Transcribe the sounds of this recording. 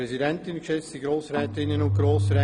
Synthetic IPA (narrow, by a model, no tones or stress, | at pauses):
ɛzidɛntɪnkʃɛt͡sd̥iɡɾoːsɾɛtɪnənʊnɡ̥ɾoːsrɛ